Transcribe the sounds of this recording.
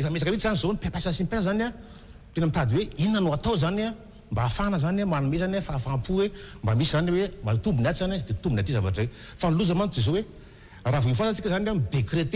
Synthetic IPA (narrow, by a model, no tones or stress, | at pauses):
efəmesakəmit͡ʃizanizonipeapasasimpɛlzana | t̪enəmit̪ad̪iweinːanoat̪owzana | mbaːfanəzanamanumezanafafampuwembamisizaniwemat̪umbunat͡ʃizanad̪et̪umbunat̪izava̰ʈ͡ʂej | fanluzamant̪d͡zezowe | ravoinfasat͡sikʲəzanad̪ekret̪e